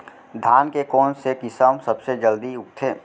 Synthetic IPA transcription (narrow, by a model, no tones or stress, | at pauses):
d̪ʱaːnkekɔːnsekɪsəmsɐbsed͡ʒəld̪iʊk̚t̪ʰeː